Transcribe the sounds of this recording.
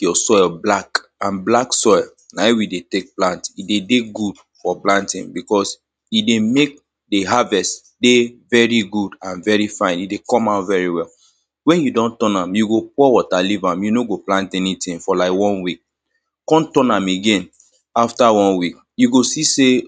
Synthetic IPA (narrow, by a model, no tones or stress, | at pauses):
jɔsɔɪlblakãnblaksɔɪl | naiwidetek̚plãntidedeɡud̥ | fɔplãntĩŋbikɔs | idemek̚ | deɦavɛst | devɛɹiɡudãnvɛɹifãɪ̃nidekɔ̃maʊtvɛɹiwɛl | wɛ̃njudɔ̃ntɔ̃nãmjuɡopɔwɔtalivãmjunoɡoplãntɛnitĩŋfɔlaɪkwɔ̃nwik̚ | kɔ̃ntɔ̃nãmeɡẽn | aftawɔ̃nwik | juɡosise